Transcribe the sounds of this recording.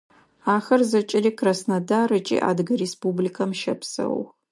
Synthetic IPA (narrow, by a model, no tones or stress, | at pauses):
aːxɐrzɐt͡ʃʼɪɾiːkʰrasnɐdaːɾɨt͡ʃʼḭːʔa̰ːdɡɐɾespublikʰɐmʃɐpʰsɐ̰w